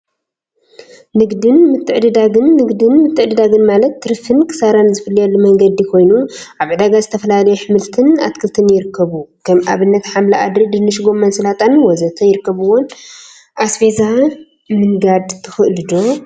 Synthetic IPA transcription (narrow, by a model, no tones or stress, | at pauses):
nɨɡd̪ɨnmɨt̪ʰːɨʕd̪ɨd̪aɡɨnːɨɡd̪ɨnmɨt̪ʰːɨʕd̪ɨd̪aɡɨnmalɐt̪ːɨɾɨfɨnkʰɨ̥saɾanzɨfɨlːijalːumɐŋɡɐd̪ikʰo̞jnuʔaβʕɨd̪aɡazɨt̪ʰɐfɐlalɐjuħɨmɨlt̪ʰɨna̰t̪kʰɨlt̪ʰɨnjɪɾɨkʰːɐβukʰɐmʔa̰βɨnːɐt̪ħamlaʔa̰d̪ɐd̪ɨnːɨʃɡo̞mːɐnsɨlat̪ʼanwɔzɐt̪ʰɐjɪɾɨkːɐβɨwon | ʔasfeza | mɨŋɡad̪t̪ʰɨxɨlɨd̪o